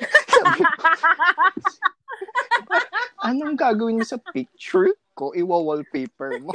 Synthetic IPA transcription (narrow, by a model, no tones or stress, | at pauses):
sabɪ | ʔɐnoŋɡaːɡɐwɪnmosɐpɪk̚t͡ʃʊɹ | koʔɪwawɐlpɛjpɛɹmo